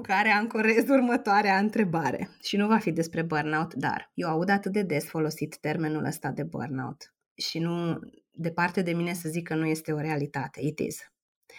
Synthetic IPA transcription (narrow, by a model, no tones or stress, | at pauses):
kaɾeaɨmkoɾe̞zurmət̪oaɾeaɨnt̪ɾe̞baɾḛʃinuvafid̪e̞spɾe̞bərnaut̪d̪a̰rje̞waud̪at̪ɨt̪̚d̪e̞d̪e̞sfo̞lo̞sit̪ːe̞rme̞nṵlʔə̰st̪ad̪e̞bə̰rna̰ṵt̪ | ʃinu | d̪e̞part̪e̞d̪e̞mine̞səzikʰːənuje̞st̪e̞o̞ɾe̞alit̪at̪e̞it̪ḭz̥